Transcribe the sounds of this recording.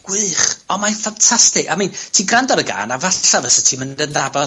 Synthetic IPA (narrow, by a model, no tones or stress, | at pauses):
ɡ̥wɨχɔnmafantʰastɪkamintʰiːɡrandɔɾəɡa̰ːnavaavəsətʰiːməndəndabɔ